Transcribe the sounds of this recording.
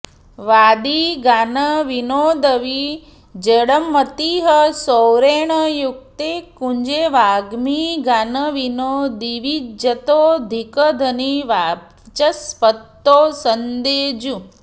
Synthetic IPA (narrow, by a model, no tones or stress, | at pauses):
ʋaːd̪iɡanəʋinoːd̪əʋi | d͡ʒəɽəmːət̪iɦəsowɾeːɳ̃əjuk̚t̪ekuɲd͡ʒeʋaːɡmiɡanəʋinod̪iʋid͡ʒət̪oːd̪ʱikəd̪ʱəniʋa | t͡ʃɐspət̪ːoːsənd̪eːd͡ʒu